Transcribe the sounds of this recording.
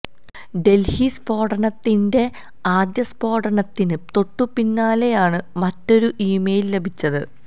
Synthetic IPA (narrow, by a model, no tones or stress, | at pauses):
ɖe̞lhispo̞ːʈɐnɐt̪ːinde̞ | aːd̪jɐspo̞ːʈɐɳɐt̪ːinɨt̪o̞ʈːupinːaːlejaːɳɨmɐtːo̞ɾuʔiːmejille̞bʱit͡ɕːɐðɨ